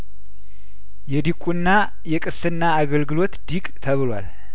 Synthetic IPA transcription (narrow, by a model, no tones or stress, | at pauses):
jɛd̪ikʼunːa | jɛkʼɨsɨnːaːɡəlɡɨlo̞t̪d̪̥ikʼt̪ʰəβɨlwa̰l